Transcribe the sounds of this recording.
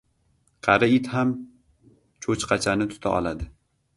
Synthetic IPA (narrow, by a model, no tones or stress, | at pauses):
qʰɑɾɪɪt̪ham | t͡ʃʰot͡ʃqʰɑt͡ʃʰanɪt̪ʰʊ̥t̪ʰa̰ʔɒ̰lˠad̪ɪ